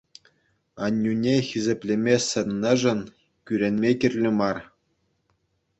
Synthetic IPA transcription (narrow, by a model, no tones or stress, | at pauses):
ɑnʲːunʲexʲizʲĕpʲlʲemʲesʲɘ̆nʲːɘ̆ʐɘ̆n | kʲyɾʲenʲmʲekʲirʲlʲɘ̆mɑr